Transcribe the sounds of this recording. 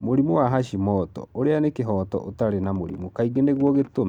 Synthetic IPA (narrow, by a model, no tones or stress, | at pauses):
moɾimowaɦaʃimɔtɔ̰oɾeanekeɦɔːtɔ̰ʔotaɾenamoɾḭmokaiɣeneɣwɔɣetom